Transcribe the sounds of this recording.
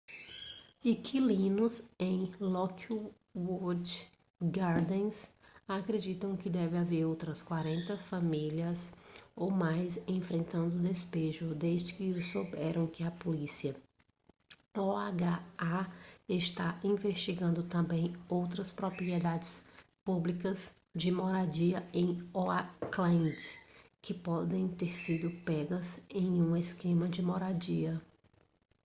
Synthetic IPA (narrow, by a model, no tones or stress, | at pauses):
ikʰilĩnʊzẽj̃lɔku | wod͡ʒ | ɡaɾd̪ẽsakɾed͡ʒit̪ɐ̃w̃kɪd̪ɛvɪ̃aveɾowt̪ɾɐskwaɾẽnt̪ɐfamiliɐsowmajzẽfɾẽnt̪ɐ̃nd̪ʊːd̪espeʒʊd̪ezd͡ʒɪkɪʊsowbɛɾɐ̃w̃kɪɐpolisiɐ | ɔaɡaaɪʃt̪aĩveʃt͡ʃiɡɐ̃nd̪ʊt̪ɐ̃mbẽj̃owt̪ɾɐspɾopɾiɛd̪ad͡ʒɪs | publikɐz | d͡ʒɪmɔɾad͡ʒiɐẽj̃ɔaklẽd͡ʒɪ̥ | kɪpɔd̪ẽj̃t̪eɾsid̪ʊpɛɡɐzẽj̃ũeskẽmɐd͡ʒɪmɔɾad͡ʒiɐ